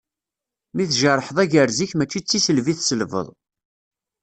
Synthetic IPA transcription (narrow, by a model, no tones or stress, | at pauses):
miθʒərˤːħəðˤæʝəɾziçmæt͡ʃːit͡sːisəlviθsəlvə̰ðˤ